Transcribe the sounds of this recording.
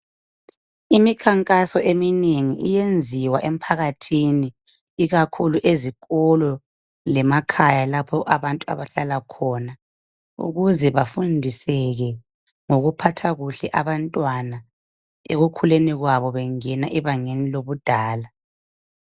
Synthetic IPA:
imikʰaŋkʼasɔʔemineŋiʔijend͡zʱiwaʔem̩pʰaɣatʰiniː | ɣakʰuluʔezikʼɔlɔ | lɛmakʰajalapʰɔʔaβantʼua̰βaɬalakʰɔna | ṵɣuzɛβafundʱisɛɣɛ | ŋoɣupʰatʰaɣuɬɛʔaβantʼwana | ḛɣukʰuleniɣwaβɔβɛŋɛnaʔɛβaŋeniloβud̥ʱaːla

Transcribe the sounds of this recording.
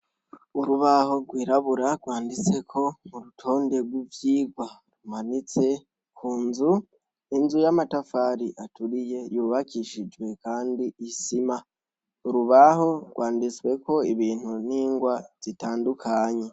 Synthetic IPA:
uɾuβaho̞ɡwiːɾaβuɾaɡwaːndit͡se̞kʰo̞muɾutʰo̞ːnde̞ɡwivjiːɡwa | ɾumanit͡se̞ | kʰuːnzu | inzujamatafaːɾiʔatʰuɾije̞juːβakʰiʃid͡ʒɡwe̞kaːndiisima | uɾuβaɦo̞ɡwʔaːndit͡swe̞kʰo̞iβiːn̥huniːŋɡwaz̥itaːndukʰaɲe̞

